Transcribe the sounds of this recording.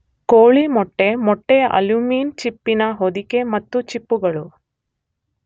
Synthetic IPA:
koːɭimɔʈːe̞mɔʈːe̞ɐ̰luːmiːnt͡ʃipːinɐɦod̪ike̞mɐt̪ːut͡ʃipːuɡɐɭu

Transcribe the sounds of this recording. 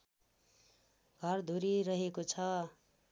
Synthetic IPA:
ɡʱʌrd̪ʱuɾiɾʌɦekot͡sʰʌ

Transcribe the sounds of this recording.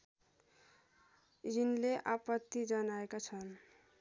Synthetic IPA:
jinleʔapʌt̪ːid͡ʒʌnaekat͡sʰʌn

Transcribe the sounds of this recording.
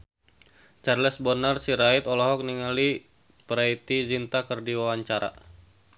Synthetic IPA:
t͡ʃarlɛsbɔnarsiɾait̪ɔlɔɦɔk̚niŋali | pɾait̪izint̪akərdiwawaɲt͡ʃaɾa̰

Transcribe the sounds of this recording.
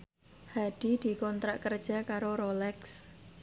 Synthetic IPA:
had̥i̤d̪̥i̤kɔnt̪ɾaʔkərd̥ʒ̥a̤kaɾoɾolɛks

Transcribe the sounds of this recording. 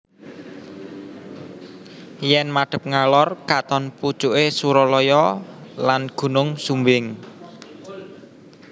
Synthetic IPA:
jɛnmaɖ̥ə̤p̚ŋalɔrkat̪ɔnpu̥t͡ʃuʔesuɾɔlɔjɔlanɡ̥ṳnʊŋsumbɪŋ

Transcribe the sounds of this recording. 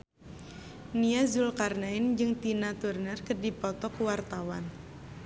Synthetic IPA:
niazulkarnaɪnd͡ʒɨŋt̪inat̪urnərkərdipɔt̪ɔkuwart̪awan

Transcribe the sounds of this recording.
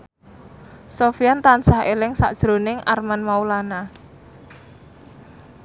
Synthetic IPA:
sofijant̪an̥saɦelɪŋsa̰ʔd̥ʒ̥ɾo̤nɪŋʔa̰rmanmaulana

